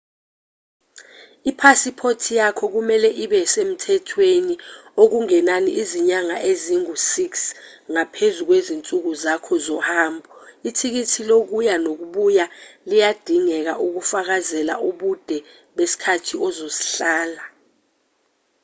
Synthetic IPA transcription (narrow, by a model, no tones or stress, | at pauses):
ipʰasipʰotʰijakʰɔk̬umɛlɛʔiɓɛsem̩tʰɛtʰweniok̬uŋɛnaniʔiziɲaŋaʔeziŋusiks | ŋapʰezuk̬wezint͡sʼuk̬uzakʰɔzɔhaːmbʱɔitʰik̬itʰilok̬ujanok̬uɓujalijad̥ʱiŋɛk̬aʔuk̬ufak̬azɛla̰ʔuɓud̥ʱɛ | ɓesi̥kʰatʰiɔzosi̥ɬaːla